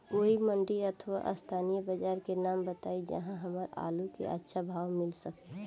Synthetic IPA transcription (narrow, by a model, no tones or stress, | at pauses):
oːiməɳɖiət̪ʰʋa̰ʔə̰st̪ʰaːnijəbəd͡ʒaːɾkenaːmbət̪aːid͡ʒə̰ɦãɦəməɾa̰ːlukḛʔə̰tːʃʰabʱaːwmɪlsək̚t̪